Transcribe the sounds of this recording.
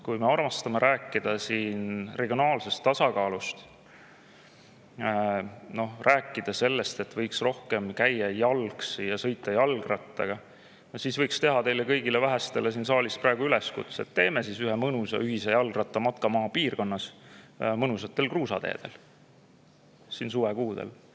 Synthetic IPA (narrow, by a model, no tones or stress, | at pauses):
kujme̞ɑrmɑst̪ɑmeɾʔæːkːid̪̥ɑsiːnre̞ɡ̥ʲionɑːlse̞st̪ːɑsɑkɑːlust̪ | no̞hræːkːˑid̪̥ɑse̞lːe̞st̪e̞t̪ːvɤjksro̞hke̞mkæjːɑjɑlksjɑsɤ̞jt̪ːˑɑjɑlɡrɑt̪ˑːɑ̰ɡ̥ɑ | jɑsisvɤjkst̪e̞ɦɑt̪e̞jlekɤjɡ̥ilevæɦæst̪e̞lesiːnsɑːlist̪̚prɑeɡ̥uyleskut̪set̪ːe̞ːmesisyɦemɤnusɑ̰yɦisejɑlɡrɑt̪ːˑɑmɑt̪̚kɑmɑːpiːrko̞nːɑs | mɤnusɑt̪ːˑe̞lkruːsɑd̪e̞̰ːd̪̥e̞̰l | sinsuːvekuːd̪̥ḛl